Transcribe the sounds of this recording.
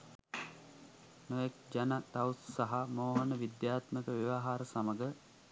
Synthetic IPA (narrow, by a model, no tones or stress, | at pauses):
noʋek̚d͡ʒanat̪awssaɦamoːɦənəʋid̪jaːt̪məkəʋiʋaːɦaːɾəsaməɡə